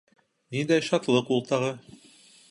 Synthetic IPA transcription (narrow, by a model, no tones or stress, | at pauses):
nind̪æjʃɑt̪lˠɤqulˠt̪ɑʁɤ